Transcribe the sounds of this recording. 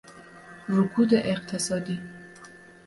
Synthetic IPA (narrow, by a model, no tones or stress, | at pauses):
ɾukʰud̪eʔeq̚t̪ʰesɔd̪i